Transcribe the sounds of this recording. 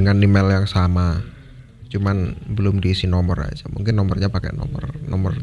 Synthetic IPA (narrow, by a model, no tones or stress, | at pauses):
əŋanːimɛljaŋsama | t͡ʃumanbəlʊmdiːsɪnɔmɔ̰ra̰d͡ʒa̰mṵŋkɪnːɔmɔrɲapakɛ̰nɔ̰mɔ̰rnɔmɔr